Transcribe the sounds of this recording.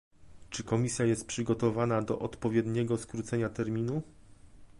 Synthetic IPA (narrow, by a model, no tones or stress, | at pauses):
t͡ʂɘkɔmʲisʲjajɛst̪̚pʂɘɡɔt̪ɔvanad̪ɔʔɔt̪pɔvʲjɛd̪ɲɛɡɔskɾut̪sɛɲat̪ɛɾmʲinu